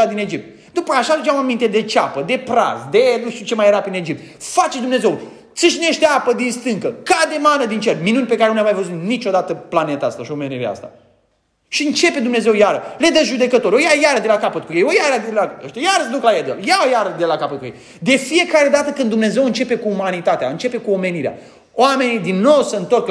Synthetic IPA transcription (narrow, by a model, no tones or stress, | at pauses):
ad̪ine̞d͡ʒip̚t̪̚ | d̪upəaʃad̪ut͡ʃamamint̪ed̪e̞t͡ʃapəd̪e̞pɾa̰zd̪e̞nuʃt̪iut͡ʃe̞majeɾapine̞d͡ʒip̚t̪ | fat͡ʃed̪umne̞ze̞w | t̪siʃineʃt̪eapəd̪inst̪ɨŋkəkad̪emanəd̪int͡ʃerʲminunʲpe̞kaɾenunljamajvəzut̪nit͡ʃo̞d̪at̪əplane̞t̪aast̪aʃiomenevḛa̰st̪a̰ | ʃiɨnt͡ʃe̞pe̞d̪umne̞ze̞wjaɾəle̞d̪əʒud̪e̞kət̪o̞ɾʲojajaɾəd̪e̞lakapət̪̚kujejojaɾad̪elaʃt̪ejaɾəsəd̪uklajed̪əljaojaɾəd̪elakapət̪̚kujḛj | d̪e̞fije̞kaɾe̞d̪at̪əkɨnd̪umne̞ze̞wɨnt͡ʃe̞pe̞kuːmanit̪at̪eaɨnt͡ʃe̞pe̞kuo̞me̞niɾea̰ | oame̞nid̪inːo̞wsəɨnt̪o̞rk